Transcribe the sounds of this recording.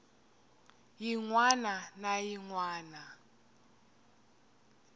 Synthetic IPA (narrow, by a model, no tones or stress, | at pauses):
jiŋwananajiŋwaːna